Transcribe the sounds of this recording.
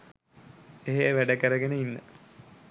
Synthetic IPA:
eɦeʋæɖəkəɾəɡenəinːə̰

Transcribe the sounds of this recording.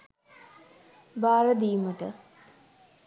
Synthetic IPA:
baːɾəd̪iːməʈə

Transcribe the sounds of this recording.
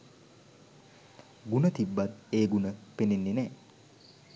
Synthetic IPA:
ɡunət̪ibːat̪eːɡunəpenenːenɛː

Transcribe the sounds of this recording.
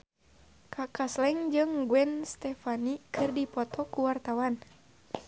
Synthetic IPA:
kʰakaslɛŋd͡ʒɨŋɡuɛnst̪ɛfanikɨrdipɔt̪ʰɔkuwart̪awan

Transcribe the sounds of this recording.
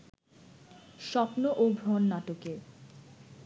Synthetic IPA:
ʃɔpnoʔobʱɾonːaʈoke

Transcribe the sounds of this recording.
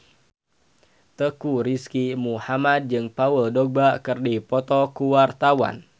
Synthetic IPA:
t̪əkuɾiskimuhamad̪̚d͡ʒɨŋpauldɔɡ̚bakɨrdipɔt̪ɔkuwart̪awa̰n

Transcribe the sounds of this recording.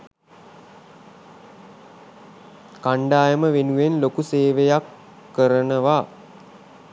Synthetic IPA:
kaɳɖaːjəməʋenuʋenlokuseːʋejakː | əɾənəʋa

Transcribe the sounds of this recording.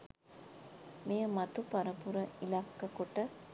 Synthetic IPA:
mejəmat̪upaɾəpuɾəilakːəkoʈə

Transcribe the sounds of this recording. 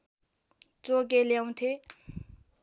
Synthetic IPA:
t͡sok̬eljaw̃t̪ʰe

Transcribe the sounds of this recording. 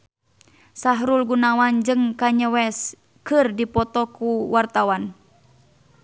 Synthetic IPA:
saɦɾulɡunawand͡ʒɨŋkaɲəwɛs | kɨrdipɔt̪ɔkuwart̪awan

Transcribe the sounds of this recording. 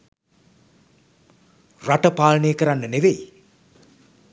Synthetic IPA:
raʈəpaːləneːkəɾanːəneʋej

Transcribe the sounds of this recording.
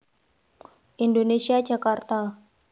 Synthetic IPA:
ʔindonesiḁd͡ʒakart̪a

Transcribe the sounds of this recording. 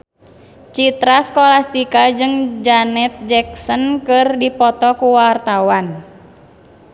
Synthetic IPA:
t͡ʃit̪ɾaskolast̪ikad͡ʒɨŋd͡ʒanɛt̪̚d͡ʒɛk̚sənkɨrdipɔt̪ɔkuwart̪awan

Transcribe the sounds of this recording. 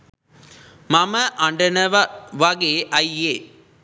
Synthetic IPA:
mɐmɐʔɐɳɖɐnɐʋɐɡeːʔɐjeː

